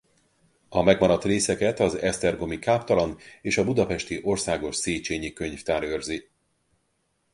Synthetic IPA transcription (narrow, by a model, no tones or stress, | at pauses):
ɒmɛɡmɒɾɒt̪reːsɛkɛt̪ɒzɛst̪ɛrɡo̞mikaːpt̪ɒlɒneːʃɒbud̪ɒpɛʃt̪iʔo̞rsaːɡo̞ʃseːt͡ʃeːɲikøɲft̪aːɾøːrzi